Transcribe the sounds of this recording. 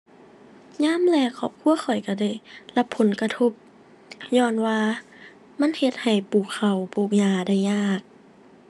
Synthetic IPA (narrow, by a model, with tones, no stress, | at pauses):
ɲaː˧˥˨mlɛː˧˩kʰɔː˧˩p̚kʰu˧˥˨ɐxɔ˨˩jka˧˩da˧˥˩jla˧pʰːo˨˦nka˧t̪ʰo˧˩p̚ | ɲɔː˧˩˨nwaː˧ | ma˧˥˨nhe˧t̪̚ha˨˩jpuː˨˩kʰːa˨˩wpuː˨˩k̚ɲaː˧˩da˧˥˩jɲaː˧˩k̚